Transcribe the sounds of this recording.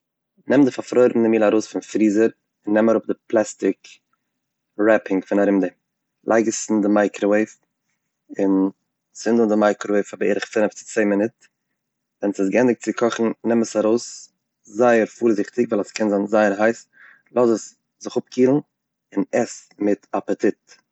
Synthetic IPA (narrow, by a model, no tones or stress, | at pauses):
nɛmdɪfafɾɔɪɾbm̩dɪmiːlˠaɾoʊsfɪnfɾiːzəɾ | ɪnːɛmaɾʊp̚dɪplˠɛstɪk | ɾɛpɪŋfɪnaɾɪmdɪ | lˠʔa̰ɪɡəsn̩dɪmaɪkɾɔweɪf | ɪn | sɪndədɪmaɪkɾɔweɪfabeɪɾɪχfɪnəft͡sɪ̥t͡seɪmɪnɪt̚ | vɛnsɪsɡɛndɪk̚t͡sɪkʰɔχn̩nɛməsaɾoʊs | zaɪəɾfuːɾzɪχtɪɡvaɪlaskɛnzanzaɪəɾɦaɪs | lˠɔzəs | zɪχʊp̚kʰiːlˠn̩ | ɪnɛsmɪtapətʰɪt